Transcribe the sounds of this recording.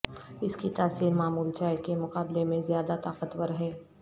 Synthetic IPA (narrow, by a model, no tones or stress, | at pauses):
ɪskit̪aːsiːɾmaːmuːlt͡ʃaːɪkemʊqaːblemẽzjaːd̪at̪aːqət̪wəɾɦɛː